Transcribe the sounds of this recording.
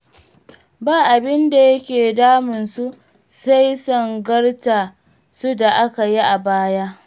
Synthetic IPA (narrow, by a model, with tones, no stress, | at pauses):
baː˦˨ʔa˨bɪ˦nda˨jɐ˦kʲeː˨daː˦mɪ˨nsu˦ | sa˦jsɔ˦˨ŋɡɐ˦ɽta˨ | su˦da˨ʔa˦ka˨ji˦ʔa˨baː˦ja˦ʔ